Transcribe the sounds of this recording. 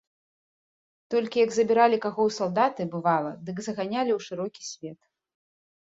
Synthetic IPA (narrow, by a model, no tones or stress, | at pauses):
t̪ɔlʲkʲijɐɡzɐbʲiɾalʲikaɣɔwsalˠd̪at̪ɨbɨvalˠɐd̪ɨɡzɐɣanʲalʲiwʂɨɾɔkʲi̥sʲvʲɛt̪